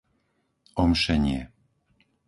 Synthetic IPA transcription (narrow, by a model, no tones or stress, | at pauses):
ɔmʃɛɲɪɛ̰